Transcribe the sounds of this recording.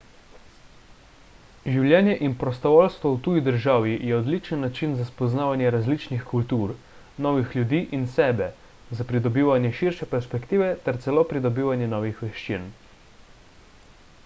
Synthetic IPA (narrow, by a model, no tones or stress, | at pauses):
ʒiwljɛːnjɛʔinpɾɔst̪ɔʋɔːlst̪ʋɔwt̪uːjid̪əɾʒaːʋijɛɔd̪lit͡ʃənːat͡ʃinzaspɔznaːʋanjɛɾazlit͡ʃnixkult̪uːɾ | nɔːʋixljud̪iːʔinsɛːbɛ | zapɾid̪ɔbiːʋanjɛʃiɾʃɛpɛɾspɛkt̪iːʋɛt̪ɛɾt̪sɛloːpɾid̪ɔbiːʋanjɛnɔːʋixʋɛʃt͡ʃḭn